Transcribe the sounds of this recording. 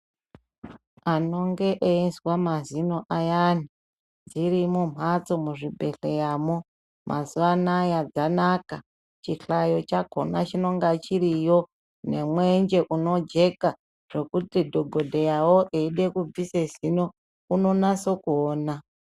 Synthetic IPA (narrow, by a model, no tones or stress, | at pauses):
ano̞ŋɡe̞ʔeinswamazino̞ʔajani | d͡ziɾimum̤wat͡so̞muʐibʱe̞ɬejaːmo | mʔa̰zuʋanajad͡zanaka | t͡ʃiɬajo̞t͡ʃaɡʱo̞̰nat͡ʃino̞ŋɡat͡ʃiɾijo̞ | ne̞mwe̞nd͡ʒe̞ʔuno̞d͡ʒe̞ka | ʐ̥e̞kutidʱoɡʱo̞dʱejawo̞ʔeiɗe̞kub͡visezino̞ | uno̞naso̞kuoːna